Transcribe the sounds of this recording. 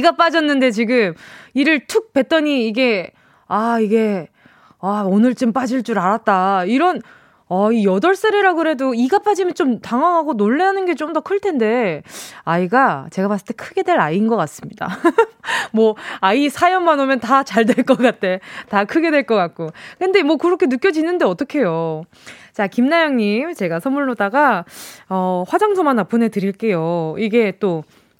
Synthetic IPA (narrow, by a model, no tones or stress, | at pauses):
iɡap͈ad͡ʑʌnːɯnde̞t͡ɕiɡɯmiɾɯɭtʰɯk̚pe̞t͈ʌɲiːɡe̞ | aiɡe̞ | aonɯɭt͡ɕ͈omp͈ad͡ʑiɭt͡ɕ͈uɾaɾat̚t͈aiɾʌn | aijʌdʌɭs͈ʌɾiɾaɡɯɾɦe̞doiɡap͈ad͡ʑimjʌnt͡ɕomtaŋɦaŋɦaɡonoɭːeanɯnɡe̞t͡ɕomdʌkʰɯɭtʰe̞nde̞ | aiɡat͡ɕe̞ɡapas͈ɯɭ̥tʰe̞kʰɯɡe̞dwe̞ɾainɡʌk͈as͈ɯmɲida̰ | mwʌaisʰajʌmːanomjʌntat͡ɕaɭdweɭk͈ʌk͈at̚tʰe̞takʰɯɡe̞dweɭk͈ʌk͈at̚k͈okɯnde̞mwʌkɯɾʌkʰe̞nɯk͈jʌd͡ʑinɯnde̞ʌt͈ʌkʰe̞jo | t͡ɕakimnajʌŋɲimt͡ɕe̞ɡasʰʌmːuɭːodaɡa | ʌɸwad͡ʑaŋsʰomanːapʰɯne̞tɯɾiɭk͈e̞joiɡe̞t͈o